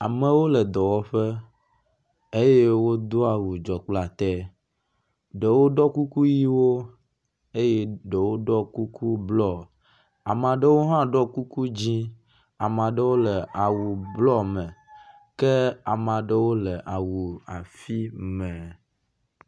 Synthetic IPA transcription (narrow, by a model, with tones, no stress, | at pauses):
a˨mə˨wo˦lɛ˨d̪ɔ˨wɔ˦ɸe˦ | e˦je˦wo˦d̪o˦a˨wu˨d͡ʒɔ˨k͡pla˨t̪ɛ˦ | ɖe˨wo˦ɖɔ˦ku˦ku˦ji˦wo˦ | e˦je˦ɖe˨wo˦ɖɔ˦ku˦ku˦blɔ˦ | a˨mã˨ɖə˦wo˦ɦã˦ɖɔ˦ku˦ku˦d͡ʑi˦ | a˨mã˨ɖe˦wo˦le˨ʔa˨wu˨blɔ˦mɛ̃˨ | ke˦a˨mã˨ɖə˦wo˦lɛ˨ʔa˨wu˨a˨fi˦mɛ̃˨